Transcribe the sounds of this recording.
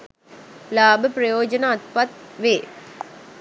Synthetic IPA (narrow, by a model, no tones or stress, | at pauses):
laːbʱɐpɾɐjoːd͡ʒɐnaːt̪̚pɐt̪̚ʋeː